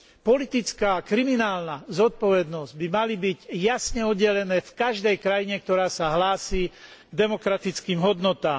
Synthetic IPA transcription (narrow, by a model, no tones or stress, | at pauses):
pɔlit̪it͡skaːkɾiminaːlnazɔt̪̚pɔʋɛd̪nɔzɟbimalibiɟjasɲɛɔd̪ːɛlɛnɛːfkaʒd̪ɛjkɾajiɲɛk̚t̪ɔɾaːsaɦlaːsiː | ɡd̪ɛmɔkɾat̪it͡skiːmɦɔd̪nɔt̪aːm